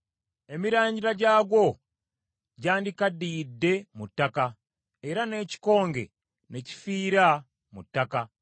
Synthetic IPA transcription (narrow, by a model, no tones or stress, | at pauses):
e̞miɾaːɲɟiɾaɟaːɡwo̞ | ɟaːndikadiːdːe̞mutːaka | eɾane̞ci̥ko̞ːŋɡe̞̰ | ne̞ci̥fiːɾa | mṵtːaka